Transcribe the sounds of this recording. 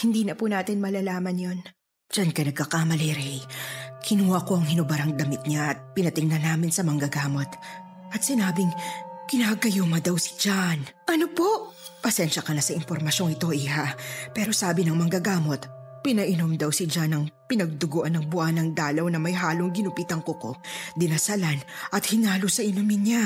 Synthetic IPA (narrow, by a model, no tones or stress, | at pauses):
hɪnd̪iːnɐpʊnaːt̪ɪnmɐlalaːmɐnjon | d͡ʒankɐnɐɡkɐkamɐlɛɾɛjkʰɪnuhɐko̞ʔɐŋhɪnʊbɐɾɐŋd̪ɐmɪt̪̚ɲaʔɐt̪̚pɪnɐt̪ɪŋnɐnaːmɪnsɐmɐŋɡɐɡaːmo̞t̪ | ʔɐt̪̚sɪnaːbɪŋkɪnaːɡɐjoːmɐd̪ɐwsɪ̥d͡ʒanʔɐnopo̞ʔ | pɐsɛnʃɐkɐnasɐɪmpoɾmɐʃo̞ŋɪt̪o̞ʔiɦapɛɾo̞saːbɪnɐŋmɐŋɡɐɡaːmo̞t̪pɪnɐʔɪno̞md̪ɐwsɪd͡ʒanɐŋpɪnɐɡ̚d̪ʊɡoːʔɐnːɐŋbʊʔanɐŋd̪aːlɐwnɐmɐjɦaːloŋɡɪnʊpiːt̪ɐŋkoko̞̰d̪ɪnɐsɐlanʔɐt̪hɪnaːlosɐʔɪnomɪnɲa